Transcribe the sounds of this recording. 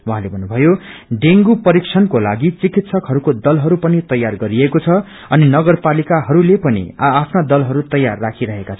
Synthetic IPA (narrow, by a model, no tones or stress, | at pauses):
waɦãlebʱʌnːubʱʌjoɖeŋɡupʌɾikt͡sʰʌnkola̰ɡit͡sikit̪sʰʌkɦʌɾukod̪ʌlɦʌɾupʌnit̪ʌjarɡʌɾiekot͡sʰʌ | ʌninʌɡʌrpalikaɦʌɾulepʌnḭaːpʰnad̪ʌlɦʌɾut̪ʌjːarːakʰiɾʌɦekat͡sʰʌ